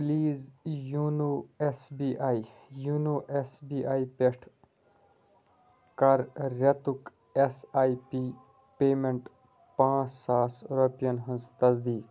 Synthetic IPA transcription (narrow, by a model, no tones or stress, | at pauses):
liːzjuːnuesbiʔaːijunoːʔesbiːʔaːipeʂʈʰ | kɐɾːɐt̪uk | esaːipi | peːmeɳʈ | pãːt͡ssaːsɾopijɐnɦɐnst̪ɐzd̪iːk